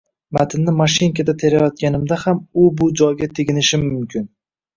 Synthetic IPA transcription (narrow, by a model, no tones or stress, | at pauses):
mat̪ʰɪnːɪmaʃɪŋkʲad̪at̪ʰe̞ɾajɒt̪̚kʲanɪmd̪ahamʊbʊd͡ʒɒjɡʲat̪ʰeɡʲɪnɪʃɪmʊmkʲʰɪn